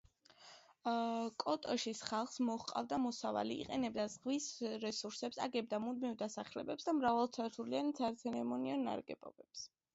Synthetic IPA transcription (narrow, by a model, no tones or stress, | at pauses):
kʼɔt̪ʼɔʃisχalˠχsmɔχqʼa̰vd̪amɔsava̰lḭːqʼɛnɛb̚d̪azʁvisɾɛsuɾsɛpsa̰ɡɛb̚d̪amud̪mivd̪asaχlɛbɛpsd̪amɾavalˠt̪sʰaɾt̪ʰuliant̪sʰaɾt̪sʰɛɾɛmɔniɔnːa̰ɾɡɛ̰bɔ̰bɛps